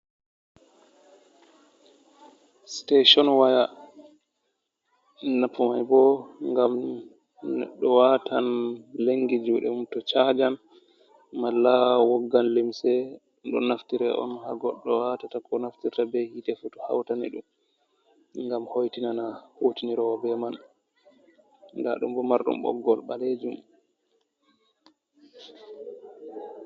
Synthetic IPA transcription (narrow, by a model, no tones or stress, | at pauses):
steʃɔnwaja | napːumajbɔŋɡam | nɛ̰ɗːɔwatʰanleŋɡid͡ʒuɗɛ̰mumtɔt͡ʃad͡ʒan | malːawɔɡːanlimsɛ | ɗɔ̰naftiɾɛʔɔ̰nhaɡɔɗːɔwatatakɔnaftiɾtabɛhitɛfutu̥ha̰wtanḭɗum | ŋɡamhojtinanahotiniɾɔwɔbɛman | da̰ɗṵmbɔmːaɾɗṵmɓɔ̰ɡːɔlɓa̰led͡ʒum